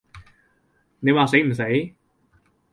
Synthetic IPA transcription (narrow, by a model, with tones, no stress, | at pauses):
ne˨˧jwaː˨˧se˨˥jm̩˨˩se˨˥j